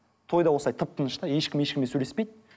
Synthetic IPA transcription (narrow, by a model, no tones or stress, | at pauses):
t̪ʰo̞jd̪ɑwosˠɑjt̪ʰəp̚t̪ʰənəʃt̪ɑje̞ʃkʲɪme̞ʃkʲɪmesɵlespejd̪̚